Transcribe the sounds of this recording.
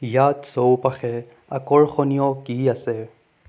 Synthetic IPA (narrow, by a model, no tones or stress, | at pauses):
jat̪sɔwpaxʰɛ | ɐkɔɹxɔnijɔkiasɛ